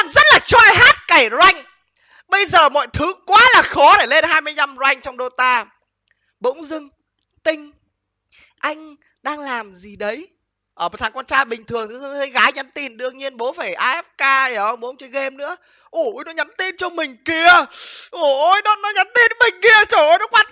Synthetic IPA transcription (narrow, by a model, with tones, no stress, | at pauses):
a˧˨zə˦˥t̚laː˨˩t͡ɕɔ˧ʔaː˧jɦaː˦˥t̚ka˧˩jzwa˧jŋ̟ | ɓə˧jzəː˨˩mɔ̰˧˨jt̪ʰɨ˨˦kwaː˨˦laː˨˩xɔ˨˦ɗe˧˩le˧nhɦaː˧jmɨ˧əjɲa˧mzwa˧jŋ̟t͡ɕɔ˧wŋ͡mɗo˧t̪aː˧ | ɓʊ̰˧˥wŋ͡mzɨ˧ŋ | t̪ï˧ŋ̟ | ʔa˧jŋ̟ | ɗaː˧ŋlaː˨˩mzi˨˩ɗə˨˦j | ʔəː˧˩˨t̪ʰaː˨˩ŋkwaː˧nt͡ɕaː˧˩jɓï˨˩ŋ̟t̪ʰɨ˨˩əŋt̪ɨ˨˦˧ə˨˦jɣaː˨˦jɲə˨˦nt̪i˨˩nɗɨ˧əŋɲi˧ənɓo˨˦faː˧˩jʔaː˧ʔɛ˦˥p̚kaː˧˨˩ʔə˧wŋ͡mɓo˨˦wŋ͡mt͡ɕə˨˦ɣe˧mnɨ̰˧˥ə | ʔu˧˩ʔo˧˩jnɔ˨˦ɲa˨˦nt̪i˧nt͡ɕɔ˧mï˨˩ŋ̟ki˧əʔo˨˩ʔo˧jnɔ˨˦nɔ˨˦ɲa˨˦nt̪i˧nmï˨˩ŋ̟ki˧ət͡ɕɔ˧˩ʔo˧˦jnɔ˨˦kwaː˧n